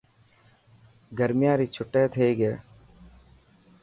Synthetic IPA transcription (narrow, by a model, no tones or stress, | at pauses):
ɡəɾmɪjãːɾiːt͡ʃʰʊʈːeːt̪ʰeɡeː